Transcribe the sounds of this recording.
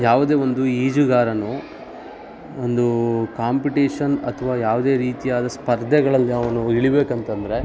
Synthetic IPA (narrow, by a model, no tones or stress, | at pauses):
jaːʋud̪e̞ːʋo̞nd̪uiːd͡ʒuɡaːɾɐnu | ond̪ukaːmpiʈiːʂɐnɐ̰t̪ʰʋaːjaːʋud̪e̞ːɾiːt̪ijaːd̪ɐspɐɾd̪ʱɛɡɐɭɐlːiɐʋɐnuiɭibeːkɐnt̪ɐnd̪ɐɾe̞